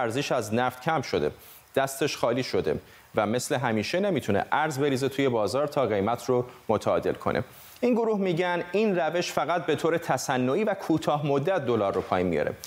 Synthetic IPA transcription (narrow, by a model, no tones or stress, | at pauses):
æɾziʃæznæft̪cʰæmʃo̞d̪e̞̰ | d̪̥æst̪ʰe̞ʃχɒːliːʃo̞d̪e̞̰ | væme̞sle̞ɦæmiːʃe̞ne̞mit̪ʰunḛʔæɾzbe̞ɾiːzet̪ʰuːje̞bɒːzɒːɾt̪ʰɒːɣe̞jmæt̪ʰromot̪ʰæɒ̰ːd̪e̞̰lkʰo̞̰nʔḛ | inɡoɾuːhmiːɟæninræve̞ʃfæɣæt̪̚be̞t̪ʰoːɾe̞t̪ʰæsænːoiːvækʰuːt̪ʰɒːhmod̪ːæt̪̚d̪o̞lɒːɾːopʰɒːjimːḭjɒ̰ɾe̞̰